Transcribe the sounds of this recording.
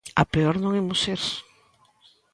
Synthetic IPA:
a̰peɔɾnõŋemʊseɾs

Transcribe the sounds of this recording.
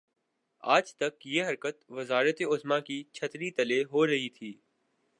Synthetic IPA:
aːd͡ʒt̪əkjeːɦəɾkət̪ʋəzaːɾət̪eːʊzmãːkiːt͡ʃʰət̪ɾiːt̪əleːɦoːɾəɦiːt̪ʰiː

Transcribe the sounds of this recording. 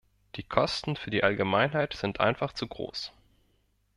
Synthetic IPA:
d̥iːkʰɔstn̩fyːɐdiːʔalɡəmaɪnɦaɪtz̥ɪntʔa̰ɪnfaχt͡suɡʁo̰ːs

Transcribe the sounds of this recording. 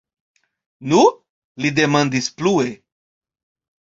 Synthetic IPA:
nu | lid̪emãnd̪isplue

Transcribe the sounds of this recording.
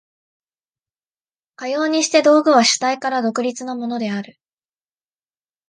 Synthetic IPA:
kajo̞ːɲ̟iɕi̥t̪e̞d̪o̞ːɡɯ̟β̞aɕɨ̥t̪aikaɾad̪o̞kɯ̟ɾʲit͡sɨnamo̞no̞d̪e̞aɾɯ̟

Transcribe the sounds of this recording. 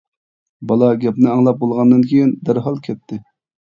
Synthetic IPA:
bɑlˠɑɡʲɛpnɨɑŋlˠɑp̚bolˠʁɑnd̪ɨnkʲʰejind̪æɾɦɑlˠkʲʰɛt̪ʰːɪ

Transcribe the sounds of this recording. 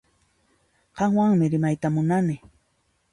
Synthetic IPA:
qɑŋwaŋmɪɾɪmajt̪amʊnanɪ

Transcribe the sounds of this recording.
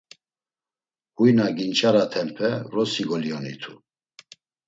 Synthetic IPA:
hujnaɡint͡ʃʼaɾat̪ʰɛmpʰɛɾɔsiɡɔliɔnḭt̪ʰu

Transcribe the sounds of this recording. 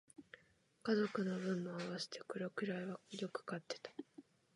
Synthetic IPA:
kazo̞kɯ̟no̞bɯ̟̃mːoaβase̥t̪e̞̥kɯɾokɯ̟ɾaiβajo̞kɯ̟̥kat̪ːe̞̥t̪ḁ

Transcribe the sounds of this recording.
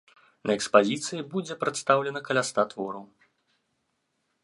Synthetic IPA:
nʔɐɛkspazʲit̪sɨjibud͡zʲɛpɾɨt̪st̪awlʲɛnɐkɐlʲast̪at̪vɔɾɐw

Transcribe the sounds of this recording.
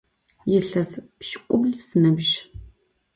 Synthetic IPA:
jɪɬɐzpʃkʷʼʊbɮsɨnɐbʒ

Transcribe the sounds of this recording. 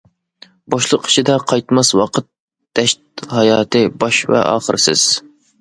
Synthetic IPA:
bɑʃlˠəqi̥ʃʰid̪ɛqʰɑjt̪mɑswɑqʰət̪̚ | d̪̥ɛʃt̪̚hɑjɑːt̪ʰɨbɑʃvɛ̰ʔɑ̰ːχəɾsɪ̰z̥

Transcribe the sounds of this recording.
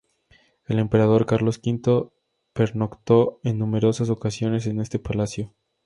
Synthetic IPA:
e̞le̞mpe̞ɾað̞o̞ɾkaɾlo̞skint̪o̞ | pe̞ɾnokt̪o̞enːũme̞ɾo̞sas̬o̞kasjo̞ne̞s̬e̞ne̞st̪e̞palasjo

